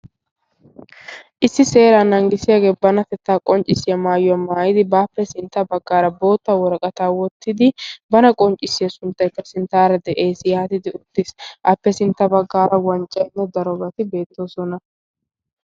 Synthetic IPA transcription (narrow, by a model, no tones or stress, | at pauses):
ʔɪsːɪse̞ːɾaːnɐŋɡɪsɪjaːɡe̞ːbɐnɐt̪ɛt̪ːaːkʼɔnt͡ʃʼːɪsɪjɐmaːjɔɐmaːjɪd̪ɪbaːpːɛsɪnt̪ːɐbɐɡːaːɾɐbo̞ːt̪ːawɔɾɐkʼɐt̪aːwɔt̪ːɪd̪ɪbɐnɐkʼɔnt͡ʃʼːɪsːɪjɐsʊnt̪ːɐjkːɐsɪnt̪ːaːɾɐd̪ɛʔe̞ːsjɐhɐt̪ɪd̪ɪʊt̪ːɪsʔɐpːɛsɪnt̪ːɐbɐɡːaːɾɐwɐnt͡ʃʼːɐjnːɛd̪ɐɾɔbɐt̪ɪbe̞ːt̪ːo̞ːsɔnɐ